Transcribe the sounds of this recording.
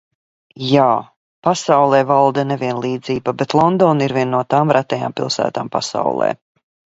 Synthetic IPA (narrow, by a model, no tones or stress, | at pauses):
jaː | pasawlˠɛːvalˠd̪ɛnɛvʲiɛnlˠiːd̪ziːbabɛt̪lˠɔnd̪ɔːniɾvʲiɛnːuɔt̪aːmɾat̪ɛja̰ːmpḭlˠsæ̰ːt̪aːmpa̰sa̰wlˠɛ̰ː